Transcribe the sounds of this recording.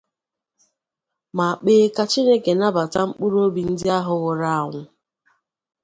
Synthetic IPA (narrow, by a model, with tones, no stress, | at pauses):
ma˨a˨k͡peː˦ka˦t͡ʃi˦ne˦ke˨na˦ba˨ta˦ŋ͡m̩˦k͡pu˦ɾo˦bi˨n̩˦dɪ˦a˦ɦʊ˨ɣʊ˨ɾa˦˨a˨ŋʷʊ˦